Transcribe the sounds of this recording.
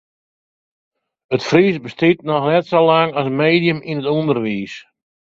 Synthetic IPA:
ətfrisbəstɪtnɔxnɛtsolaŋɔsənmeːdijəminətundərʋiːs

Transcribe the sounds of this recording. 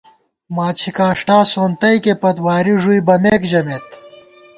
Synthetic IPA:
maːt͡ɕʰikaːʂʈaːsoːnt̪ɐjkepɐt̪waːɾiʐujbɐmeːkd͡ʑɐmeːt̪

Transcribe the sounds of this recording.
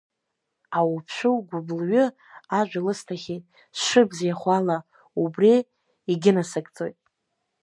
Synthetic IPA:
awupʰʃʷᶣɨwɡʷʊblɥʏ | aʒʷᶣalɨstʰaχʲejtʼ | sʂɨbzjaχʷala | ubri | iɡʲɪnasakʼt͡sʼo̞jtʼ

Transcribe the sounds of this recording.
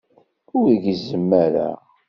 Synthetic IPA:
ʊɾiʝzəmːæɾæ̰

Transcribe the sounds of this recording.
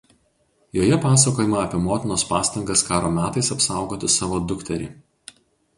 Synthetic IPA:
joːjɛpɑːs̬ɐkoːjɪmɑɐpʲiɛmoːt̪ʲɪnoːspɑːst̪ɐŋɡɐskɑːɾoːmʲæːt̪ɐɪsɐpsɑˑʊɡoːt̪ʲɪsɑːʋoːd̪ʊkt̪ʲɛɾʲɪ̰ː

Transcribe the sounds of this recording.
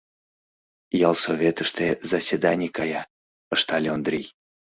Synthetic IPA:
jalˠsovʲet̪əʂt̪ezɐsʲvʲed̪anʲikaja | əʂt̪alʲeond̪ɾʲij

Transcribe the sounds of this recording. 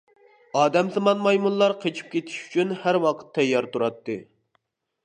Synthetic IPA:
ɑːd̪ɛmzɨmɑnmɑjmunlˠɑɾqʰet͡ʃʰi̥p̚kʲʰet̪ʰi̥ʃy̥t͡ʃʰynhæɾwɑqʰə̥t̪ʰːɛjːɑɾt̪uɾɑt̪ːɨ

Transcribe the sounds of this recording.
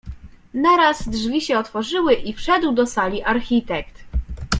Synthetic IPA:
naɾazdʐvʲiɕɛɔt̪fɔʐɘwɘʔifʂɛd̪wd̪ɔsalʲiʔaɾxʲit̪ɛkt̪

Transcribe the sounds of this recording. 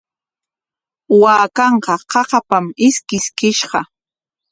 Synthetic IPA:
waːkɑɴqɑqɑqɑpamɪskɪskɪʃɢɑ

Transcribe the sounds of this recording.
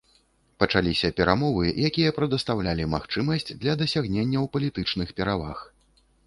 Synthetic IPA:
pɐt͡ʂalʲisʲɐpʲɛɾamɔvɨjakʲijɐpɾɐd̪ɐst̪awlʲalʲima̰xt͡ʂɨmɐsʲt͡sʲd̪lʲɐd̪ɐsʲaɣnʲenʲːɐwpɐlʲit̪ɨt͡ʂnɨxpʲɛɾavax

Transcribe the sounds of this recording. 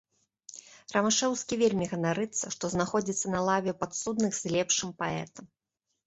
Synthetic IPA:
rɐmaʂɛwskʲivʲelʲmʲiɣɐnaɾɨt̪sːɐʂt̪ɔznaxɔd͡zʲit̪sːɐnɐlˠavʲɛpat̪sud̪nɨɣz̥ʲlʲɛpʂɨmpaɛ̰t̪ɐm

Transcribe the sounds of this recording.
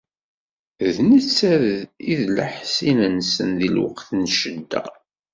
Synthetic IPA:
ðnət͡sːæɾiðlaħsinænsə̰nðilwə̰qθnʃəd̪ːæ̰

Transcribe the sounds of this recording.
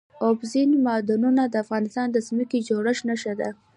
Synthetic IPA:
obzinmɑd̪ɑnunad̪əafɣɑnɪst̪ɑnd̪əzməked͡ʒoɽəʃnaʃad̪a̰

